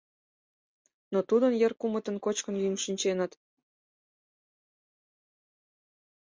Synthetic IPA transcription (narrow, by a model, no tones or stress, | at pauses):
not̪ud̪ənjerkumə̆t̪ə̆nkot͡ɕkənjymʃinʲt͡ɕenət̪